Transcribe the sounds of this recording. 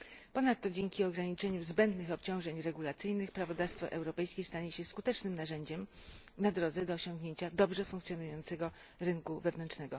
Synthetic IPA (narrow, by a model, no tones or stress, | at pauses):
pɔnat̪ːɔd͡ʑeŋkʲiɔɡɾaɲit͡ʂɛɲuzbɛnd̪nɘxɔpt͡ɕɔ̃w̃ʐɛɲɾɛɡulat̪sɘjnɘxpɾavɔd̪afst̪fɔ̰ʔɛwɾɔpɛjskʲejst̪aɲeɕɛskut̪ɛt͡ʂnɘmnaʐɛɲd͡ʑɛm | nad̪ɾɔd̪zɛd̪ɔːɕɔ̃ŋɡɲeɲt͡ɕad̪ɔbʐɛfuŋkt̪sʲjɔnujɔnt̪sɛɡɔ | ɾɘŋkuvɛvnɛnt͡ʂnɛɡɔ